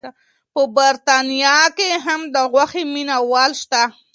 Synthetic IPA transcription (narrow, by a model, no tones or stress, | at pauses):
a | pəbaɾt̪ɑnijɑkeɦamd̪əɣwaximinawɑlʃt̪a